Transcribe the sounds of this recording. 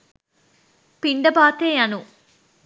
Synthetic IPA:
piɳɖɐbaːt̪eːjanu

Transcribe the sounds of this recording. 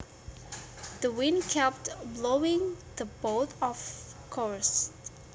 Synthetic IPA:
ðəwɪ̃nkʰɛp̚tbloʊɪ̃ŋðəboʊtɔv̥kʰɔɹst

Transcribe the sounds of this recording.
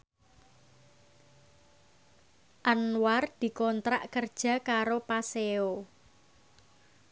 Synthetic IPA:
ʔanward̪̥i̤kɔnt̪ɾa̰ʔkərd̥ʒ̥a̤kaɾopaseo

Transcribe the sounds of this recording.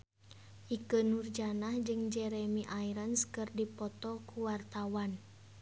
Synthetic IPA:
ʔikənurd͡ʒanahd͡ʒɨŋd͡ʒɛɾɛmiʔaiɾənskɨrdipɔt̪ɔkuwart̪awan

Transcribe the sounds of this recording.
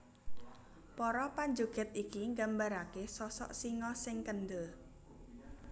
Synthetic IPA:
pɔɾɔpaɲd͡ʒuɡ̥ɛ̤t̪̚ikiŋɡambaɾakesɔsɔ̰ʔsiŋɔsɪŋkənd̪ə

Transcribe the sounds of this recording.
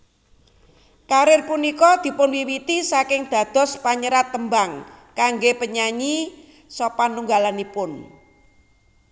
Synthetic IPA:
kaɾɪrpunikɔd̪̥i̤pʊnwiwit̪isakɪŋd̪̥ä̤d̪̥ɔ̤spaɲəɾat̪ːəmbaŋkaŋɡepəɲaɲi | sɔpanuŋɡalanipʊn

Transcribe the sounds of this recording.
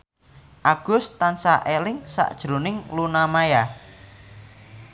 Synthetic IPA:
ʔaɡ̥ʊ̤st̪ansaʔelɪŋsa̰ʔd̥ʒ̥ɾo̤nɪŋlunamaja

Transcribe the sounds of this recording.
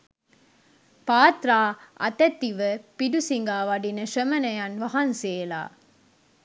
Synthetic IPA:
paːt̪ɾaːɐ̰t̪ɐt̪ːiʋəpiɖusiŋɡaːʋɐɖinɐʂəmɐnɐjɐnʋɐɦɐnseːla̰ː

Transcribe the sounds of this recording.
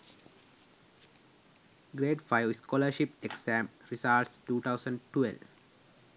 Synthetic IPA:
ɡɾeːʈfajoskoːləɾʃipeksæ̃mɾisaʈsʈuːt̪ʰaʊsə̃ɳɖʈḛl

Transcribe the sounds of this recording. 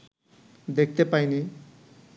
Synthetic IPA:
d̪ek̚ʰt̪epajni

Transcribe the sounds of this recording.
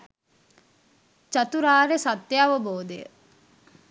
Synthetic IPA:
t͡ʃɐt̪uɾaːɾesat̪jeɐʋəboːd̪ejə̰

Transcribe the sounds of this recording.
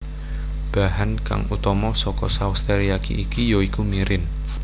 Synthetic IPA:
b̥a̤hanka̰ŋut̪ɔmɔsɔkɔsaust̪eɾiakḭʔikijoikumiɾɪn

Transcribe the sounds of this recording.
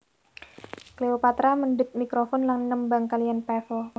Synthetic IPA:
kleopat̪ɾamənɖət̪̚mikɾofɔnlaŋnəmbaŋkalianpɛfɔl

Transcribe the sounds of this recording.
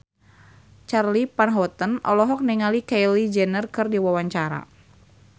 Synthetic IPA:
t͡ʃarlipanɦɔt̪ənʔɔ̰lɔɦɔk̚nɛŋalikɛjlid͡ʒɛnərkɨrdiwawaɲt͡ʃaɾa̰

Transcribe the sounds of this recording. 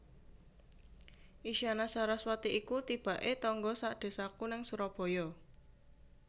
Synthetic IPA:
ʔiʃianasaɾaswat̪iʔikut̪ib̥a̤ʔet̪ɔŋɡɔsaʔɖ̪̥e̤sakunaŋsuɾɔb̥ɔ̤jɔ

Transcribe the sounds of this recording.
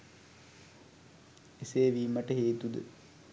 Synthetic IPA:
eseːʋiːməʈəɦeːt̪ud̪ə̰

